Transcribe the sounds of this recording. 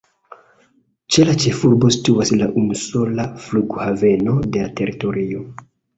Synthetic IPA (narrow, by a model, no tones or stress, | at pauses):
t͡ʃe̞lat͡ʃe̞fuɾbo̞si̥tuwaslaʔumuso̞lafluɡuhave̞no̞de̞late̞ɾito̞ɾio